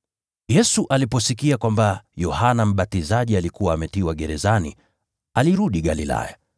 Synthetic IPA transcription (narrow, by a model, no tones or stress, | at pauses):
jɛsuʔalipɔsikiakwambajɔhanam̩ɓatizaʄialikuwaːmɛtiwaɠɛɾɛzanḭ | aliɾuɗiɠalila̰ja